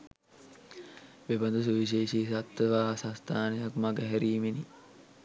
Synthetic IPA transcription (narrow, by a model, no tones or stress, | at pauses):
ʋebɐnd̪us̬uʋiʃ̬eːʃiːsat̪ːəʋaːsãst̪ʰaːnɐjakmɐɡəɦɛɾiːmeni